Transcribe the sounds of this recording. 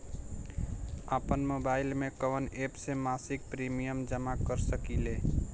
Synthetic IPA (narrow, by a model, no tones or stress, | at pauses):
apənmobaɪlmẽkəʋənepsemasik̚pɾimijəmd͡ʒəmakəɾsəkile